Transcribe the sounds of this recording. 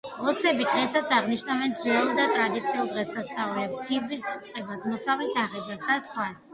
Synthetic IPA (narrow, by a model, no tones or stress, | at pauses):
ɔsɛbid̪ʁɛsat̪sʰaʁniʃnavɛnnɛlˠd̪at̪ʼɾad̪it̪sʰiulˠd̪ʁɛsasaulɛpst̪ʰibist̪sʼqʼɛbasmɔsavlisaχɛbasʰd̪̥asχwas